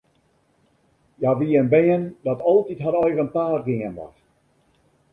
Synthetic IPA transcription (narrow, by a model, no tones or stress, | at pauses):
jaʋiənbɛəndɔtɔlˠtitɦaɾɔjɣənpaːrɡɪənʋɔ̰x